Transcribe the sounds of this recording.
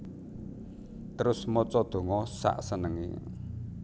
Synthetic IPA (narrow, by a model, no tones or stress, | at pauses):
t̪əɾʊsmɔt͡ʃɔd̪̥o̤ŋɔsa̰ʔsənəŋḭ